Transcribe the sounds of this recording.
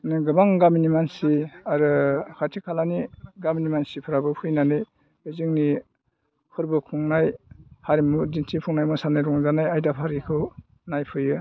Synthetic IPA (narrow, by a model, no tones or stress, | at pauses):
nɯɡɯbaŋɡaminimansiaɾɯhʰatʰikʰalaniɡaminimansipʰɯɾabɯpʰɯjnanɯj | bɯzɯŋni | pʰɯɾbɯkʰuŋnajhaɾimudintʰipʰuŋnajmɯsanajɾɔŋzanajajdapʰaɾikʰɯw | najpʰɯjɯ